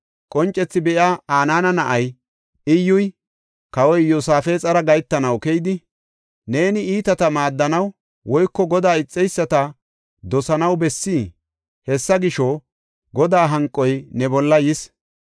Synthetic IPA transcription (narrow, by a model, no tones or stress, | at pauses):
kʼɔnt͡ʃʼːɛt͡sːɪbɛʔaaːnaːnɐnɐʔɐj | ɪjːʊj | kɐwɔjːosaːfeːt͡sʼɐɾɐɡɐjt̪ːɐnɐwkɛjd̪ɪ | ne̞ːnɪiːt̪ɐt̪ɐmaːd̪ːɐnɐw | wɔjkːɔɡɔd̪aːɪt͡sʼːɛjsːɐt̪ɐ | d̪ɔsɐnɐwbɛsːiː | hɛsːɐɡɪʃɔ | ɡɔd̪aːɦɐŋkʼːɔjnɛbɔlːɐjɪs